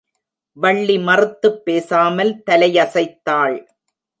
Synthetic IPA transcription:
ʋɐɭːimɐrɯt̪ːɯpːeːsaːmɐlt̪ɐlɐjɐsɐɪt̪ːaːɭ

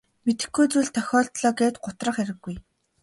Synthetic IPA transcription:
met̪ɘ̆xɡujt͡suːɮt̪ʰœxʲɔːɬt̪ɮɔːɡeːt̪ɢʊt̪rə̆χæɾɘ̆ɡːuj

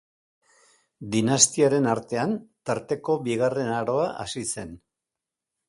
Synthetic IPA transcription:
d̪inast̪iaɾe̞naɾt̪e̞ant̪aɾt̪e̞ko̞βiɣare̞naɾo̞aʔa̰sise̞n

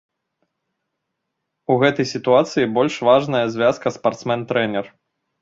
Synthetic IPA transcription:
uɣɛt̪ɐjsʲit̪uat̪sɨjibɔlʲʂvaʐnɐjɐzʲvʲaskɐspart̪smɛnt̪ɾɛnʲɛr

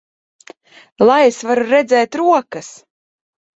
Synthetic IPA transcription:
lˠajesvaɾuɾɛd̪zɛːt̪ɾuɔkɨs

